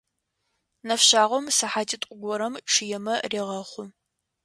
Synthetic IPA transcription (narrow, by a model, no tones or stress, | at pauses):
nɐfɕaːʁʷɔmsɨħaːtʼitʷʼʊɡʷɔɾɐmʈ͡ʂʰɨjɛmɐreːʁɐχʷʊ